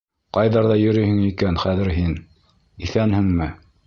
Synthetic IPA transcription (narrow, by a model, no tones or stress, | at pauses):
qɑjðɑɾðɑjɵ̆ɾɵjhɘ̆ŋikænχæðɘ̆ɾɦin | iθænhɘŋmɘ